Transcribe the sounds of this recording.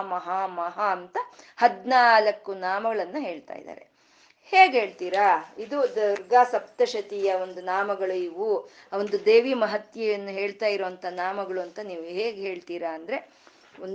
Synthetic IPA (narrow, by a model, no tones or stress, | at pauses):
mɐɦaːmɐɦaːnt̪ɐhɐd̪naːlɐkːunaːmɐɡɐɭɐnːɐɦe̞ːɭt̪a̰ːjḭd̪a̰ːɾe̞̰ | heːɡɦe̞ːɭt̪iːɾaid̪ud̪ɐɾɡaːsɐp̚t̪ɐʃɐt̪ijɐond̪unaːmɐɡɐɭuiʋuo̞nd̪ud̪eːʋiːmɐɦɐt̪jɐjɐnːuɦeːɭt̪aːjiɾoːɐnt̪ʰɐnaːmɐɡɐɭuɐnt̪ɐniːʋuɦeːɡeɦe̞ːɭt̪iːɾaːnd̪ɐɾe̞ | on